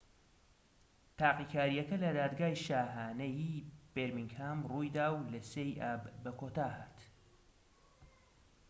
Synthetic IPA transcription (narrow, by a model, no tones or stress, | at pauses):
t̪ʰaːqiːkʰaːɾijɐkɐlɐd̪aːd̪ɡaːjʃaːɦaːnejib̥eɾmiŋɡhaːmruːjd̪aːwlɐsejʔaːbbɐkʰoːt̪ʰaːhaːt̪